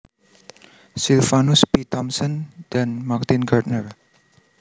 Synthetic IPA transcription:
silfanʊspit̪ɔmsɔnd̥anmart̪inɡat̪nər

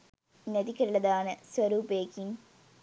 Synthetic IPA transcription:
neðikːɐɾɭɐd̪aːnɨswɐɾuːpeːkːim

